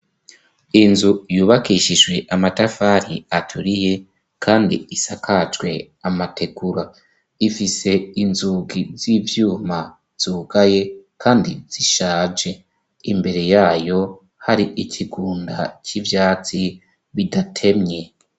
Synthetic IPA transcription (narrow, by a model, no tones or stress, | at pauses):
inzujuːβakiʃiʒɡwe̞ʔamatafaɾiatʰuɾije̞ | kʰaːndḭisakat͡ʃɡwe̞ | amatʰe̞ɡuɾa | ifise̞inzuɡizivjuːma | z̥uːɡ̥aje̞kʰaːndiz̥iʃaːd͡ʒe̞ | imbe̞ɾe̞jaːjo̞ | haɾiicʰiɡuːnda̰civjaːt͡si | βidatʰe̞mɲe̞